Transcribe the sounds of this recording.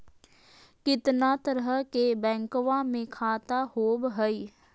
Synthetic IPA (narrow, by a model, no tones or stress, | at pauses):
kɪt̪nat̪əɾɦəkebɛ̃ːŋkʋamẽkʰaːt̪ahoːbɦəi